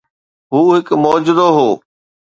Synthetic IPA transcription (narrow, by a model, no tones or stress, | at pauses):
ɦuːɦɪkmɔːd͡ʑɪd̪oɦoː